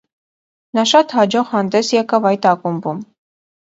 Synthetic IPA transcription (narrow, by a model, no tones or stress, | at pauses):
nɑʃɑt̪hɑd͡ʒɔʁhɑnd̪ɛsjɛkɑvɑjt̪ɑkumbum